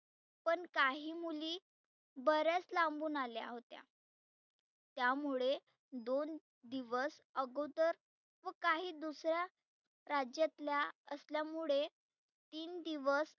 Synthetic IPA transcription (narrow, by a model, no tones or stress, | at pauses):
pəɳkaɦiːmuliː | bəɾjat͡slãmbuːnalja̰ɦot̪ja̰ | t̪jamuɭe | d̪on | d̪iʋəsəɡowd̪əɾ | ʋəkaɦiːd̪usɾja | ɾad͡ʑjat̪ljaəsljamuɭe | t̪iːnd̪iʋəs